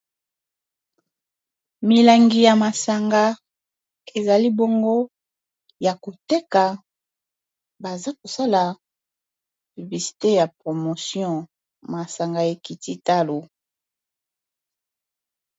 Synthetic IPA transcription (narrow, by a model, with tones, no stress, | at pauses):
mi˨la˨ŋɡi˨ja˨ma˨sa˨ŋɡa˦ | e˨za˨li˦bo˦ŋɡo˦ | ja˨ko˨te˦ka˨ | ba˨za˦ko˨sa˦la˨ | py˨bli˨si̥˨te˦ja˨pʁo˨mo˨sjɔ̃˦ | ma˨sa˨ŋɡa˨e˨ki˨ti˦ta˦lo˨